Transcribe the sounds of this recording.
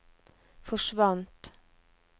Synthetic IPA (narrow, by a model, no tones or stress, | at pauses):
fɔʂʋɑnt̪